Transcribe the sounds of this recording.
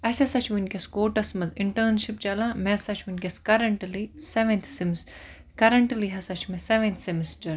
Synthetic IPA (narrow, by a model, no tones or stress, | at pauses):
ɐsʲɐsɐt͡ʃʰʋinʲkɐskoːʈɐsmɐzɪɳʈɐːnʃip̚t͡ʃɐlãmesɐt͡ʃʰʋunkʲɐskɐɾɐɳʈliseʋẽnt̪ʰms | kɐɾɐɳʈliɦɐsɐt͡ʃʰmeseʋẽnt̪ʰsimisʈɐɾ